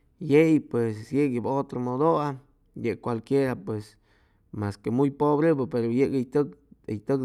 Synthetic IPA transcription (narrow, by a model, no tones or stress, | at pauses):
jejpwesjekebot̪ɾomod̪oa | jekʷalkʲjeɾapwes | maskemujpobɾebepeɾojeʔɡejt̪ɨkejt̪ɨk